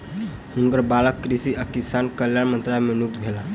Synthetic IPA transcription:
huŋkəɾbaləkːɾisiakisankəljaɽmənt̪ɾalemenuk̚t̪bʱela

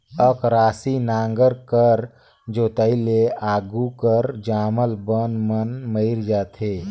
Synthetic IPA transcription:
əkɾaːsinaːŋɡəɾkəɾ | d͡ʒoːt̪əileaːɡukəɾd͡ʒaːməlbənmənməɪɾd͡ʒaːt̪ɦeː

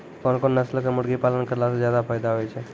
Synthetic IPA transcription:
kɔnkonːəslkemʊɽɡipalənkəɾlasezjad̪afʰajd̪aɦojt͡ʃʰe

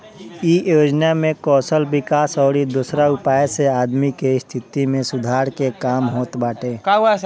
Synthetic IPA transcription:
ijoːd͡ʒnamẽkɔːsəlbɪkaːsɔːɾid̪uːsɾaʊpaːjeseaːd̪mikeɪst̪ʰɪt̪imẽsʊd̪ʱaːɾkekaːmɦoːt̪baːʈeːkaa

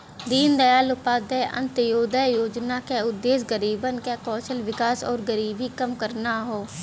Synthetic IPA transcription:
d̪iːnd̪əjaːlʊpaːd̪ɛːʔə̰nt̪əjoːd̪ɛːjoːd͡ʒnaːkeːʊd̪ːeːsɡəɾiːbənkɛːkɔːʃəlʋɪkaːsɔ̰ːɾɡəɾiːbiːkəmkəɾnaːɦoː

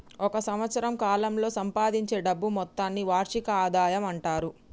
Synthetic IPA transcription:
ɔkɐsɐmʋɐt̪sɐɾɐmkaːlɐmlo̞ːsɐmpaːd̪iɲt͡ʃe̞ːɖɐbːumɔt̪ːaːnːiʋaːɾʂikɐaːd̪aːjɐmɐɳʈaːɾu

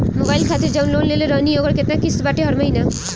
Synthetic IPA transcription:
mobajlkʰat̪iɾd͡ʒawnlonleleɾɔnioɡəɾket̪nakisbaʈeɦʌɾmaina

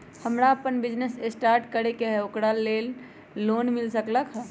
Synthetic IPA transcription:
həmɾaəpənbid͡ʒnesesʈaɾʈkəɾekeɦɛokɾalelː | onmilsəkləkʰɦɛ

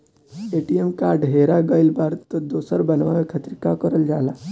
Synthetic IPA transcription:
eːʈiemkaːɾɖɦeɾaɡəjlbaɾt̪ɔd̪oːsəɾbənʋaʋekʰət̪ɾkakəɾəld͡ʒaːlaː

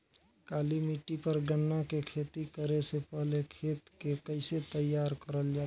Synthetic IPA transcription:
kalimiʈːipəɾɡənːakekʰet̪ikəɾesepəɦlekʰet̪kekəɪset̪əjaɾkəɾəld͡ʒa

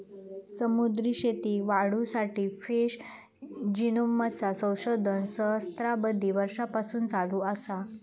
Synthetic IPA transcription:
səmud̪ɾiɕet̪iːʋaɽ̤usaʈiːfeɕ | d͡ʑinomət͡sasə̃w̃ɕod̪ʱənsəɦst̪ɾabəd̪ʱːiʋəɾʂapasuːnd͡zaluːəsa

